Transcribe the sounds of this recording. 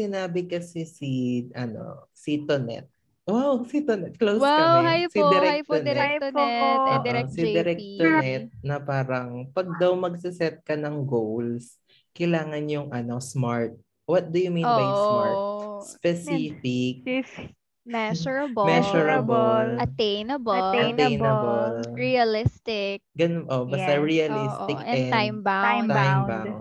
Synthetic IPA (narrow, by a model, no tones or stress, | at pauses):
sɪnaːbɪkɐsɛsiʔɐno̰sit̪onɛ̰t̪̚ | wawsit̪onɛt̪̚klowsajsɪd̪ɪɾɛkjtonɛ | ɾɛsid̪ɛɾɛkt̪onɛt̪̚nɐpaːɾɐŋpɐɡ̚d̪ɐwmɐɡ̚sɪsɛt̪̚kɐnɐŋɡowls | kɐjlaːŋɐnjʊŋʔɐno̞smaɹt̪̚ | wɐt̪̚d̪ʊjʊmĩnbajsmaɹtspɛsiːfɪk̚ | mɛʃɔɹɐbmɛʃɔɹɐbolɐt̪ejnɐbt̪ɐejnɐbɐlɹiɐlɪst̪ɪk̚ɡɐnnʔobɐst̪ɐɹiɐlist̪ɪkɛajmbaat̪jmba